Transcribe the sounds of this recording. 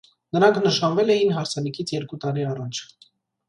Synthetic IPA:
nəɾɑŋkʰnəʃɑnvɛlɛjinɦɑɾt͡sʰɑnikʰit͡sʰjɛɾkut̪ɑɾiɑrɑt͡ʃʰ

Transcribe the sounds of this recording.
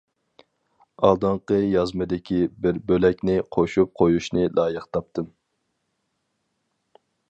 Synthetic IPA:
ɑlˠd̪ɑɴqəjɑzmɨd̪ɪkʲʰibɪɾbølɛkʲnɪqʰoʃup̚qʰojuʃnɨlʔɑːjɨqt̪ʰɑp̚t̪ʰɨm

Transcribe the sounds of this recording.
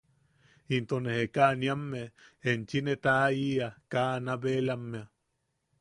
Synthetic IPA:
int̪onehekaʔniamːeent͡ʃinet̪aiakaːnaβelamːea

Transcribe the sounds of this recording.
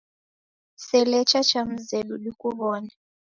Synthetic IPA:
sɛlɛt͡ʃat͡ʃam̩zɛɗuɗikuβɔːna

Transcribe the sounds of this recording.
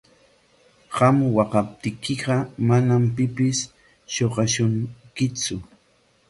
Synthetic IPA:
ɢamwɑqɑp̚t̪ɪkɪɢɑmanampɪpɪs | ʃoɢɑʃʊŋkɪt͡sʊ

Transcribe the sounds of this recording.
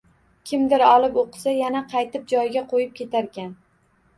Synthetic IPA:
kʲʰɪmd̪ɪɾɒlˠɪpoqɨ̥sajanaqʰɑjt̪ɪp̚d͡ʒɒjɡʲaqʰojɪp̚kʲʰet̪ʰaɾkʲan

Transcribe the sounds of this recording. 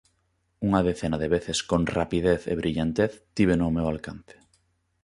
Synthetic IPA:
uŋaðeθenaðeβeθeskõnrapiðeθḛβɾʔiʎant̪eθt̪iβ̞enomewalkan̟θe̥

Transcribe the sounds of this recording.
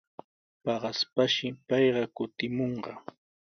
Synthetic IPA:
pɑɢɑspaʃɪpɑjɢɑkʊt̪ɪmoɴɢɑ

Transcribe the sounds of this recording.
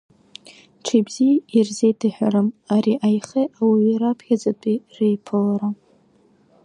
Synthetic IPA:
ʈ͡ʂʰibzijairzejtʰɨħʷᶣaɾɨmaɾiʔajχeawiːɾapʰχʲad͡zatʷʼirejpʰɨlaɾa

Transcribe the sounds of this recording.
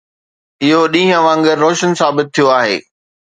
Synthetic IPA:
ɪɦoɗĩːɦə̃ʋãːŋɡəɾːoːʃənsaːbɪt̪̚ʰːijoaːɦḛː

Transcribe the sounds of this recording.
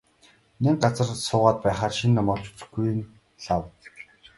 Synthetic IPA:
nek̚ɢat͡sə̆rsʊːʁaːt̪̚pæːχaːrʃinːamɔːɮt͡ɕʊ̥t͡ɕɘ̆ɡuj̆n | ɮaw

